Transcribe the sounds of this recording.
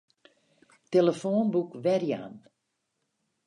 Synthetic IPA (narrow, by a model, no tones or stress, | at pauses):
teləfoːnbukʋɛrja̰n